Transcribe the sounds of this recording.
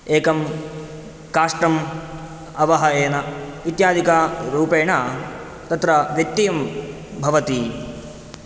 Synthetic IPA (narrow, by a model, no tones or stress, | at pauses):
eːkɐm | kaːʂʈɾɐm | ɐʋɐɦɐjeːnɐʋit̪jaːd̪ʱikaɾuːpeːɳa | t̪ɐt̪ɾɐʋjɐk̚t̪ːijɐm | bʱɐʋɐt̪i